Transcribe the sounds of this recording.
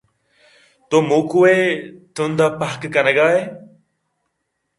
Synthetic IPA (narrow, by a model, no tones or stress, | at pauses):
t̪oːmuːkueːt̪ʰũːnd̪aːpəɦkkənəɡaːɦeː